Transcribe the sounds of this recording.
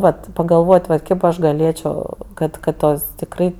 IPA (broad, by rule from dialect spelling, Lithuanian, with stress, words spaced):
ˈʋɐt pɐɡɐlˠˈʋoːtʲ ʋɐt ˈkʲeːp ɐʃ ɡɐˈlʲeːt͡ʃʲoː ˈkɐt kɐt ˈtoːs tʲɪkˈrɐɪ